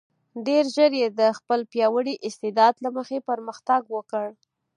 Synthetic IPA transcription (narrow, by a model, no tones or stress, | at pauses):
ɖeɾʒəɾjed̪əxpəlpjɑwəɽiʔɪst̪ɪd̪ɑd̪laməxepəɾməxt̪aɡwəkəɽ